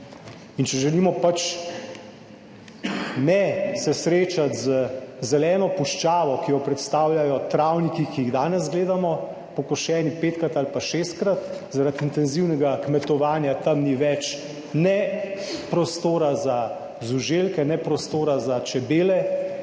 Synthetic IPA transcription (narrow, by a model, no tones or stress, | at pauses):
int͡ʃɛʒɛliːmɔpat͡ʃ | nɛsɛsɾeːt͡ʃat̪zəzɛlɛːnɔpuʃt͡ʃaːʋɔkijɔpɾɛt̪st̪aːwljajɔt̪ɾawnikikiiɣd̪aːnɛzɡleːd̪amɔ | pɔkɔʃɛːnipeːt̪̚kɾat̪alpaʃeːst̪̚kɾat̪zaɾat̪int̪ɛnziwnɛɡakmɛt̪ɔʋaːnjat̪amniʋɛt͡ʃ | nɛ | pɾɔst̪oːɾaza | zuʒelkɛnɛpɾɔst̪oːɾazat͡ʃɛbeːlɛ